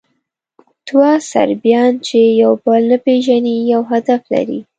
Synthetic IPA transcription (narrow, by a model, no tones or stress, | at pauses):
t̪wɑsa̰ɾbjɑnt͡ʃejawbəlnapeʒanijawɦad̪afla̰ɾḭ